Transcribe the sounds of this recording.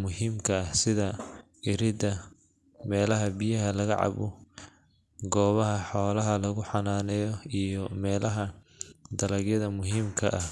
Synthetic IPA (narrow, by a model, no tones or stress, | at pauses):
mʊhiːmkʰɐɐhsɪðɐ | ɪɾɪd̪ɐ | mɛːlɐɦɐbijɐɦɐlɐɣɐʕɑ̰βʊ | ɡɔːβɐɦɐħɔːlɐɦɐlɐɣʊħɑnaːnɛjɔijɔmɛːlɐɦɐ | d̪ɐlɐɡjɐðɐmʊɦiːmkʰɐʔɐh